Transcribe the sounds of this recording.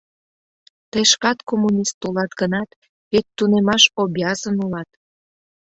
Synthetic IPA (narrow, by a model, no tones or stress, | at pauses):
t̪eʃkɑt̪komunʲist̪ulɑt̪ɡənɑt̪ | βet̪ːunemɑʃobɑzənulɑt̪